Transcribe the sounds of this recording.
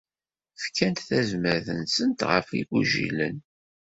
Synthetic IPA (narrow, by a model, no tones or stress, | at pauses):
fkʰːænt̪θæzməɾθənsənt̪ʁə̰fiɡuʒḭlə̰n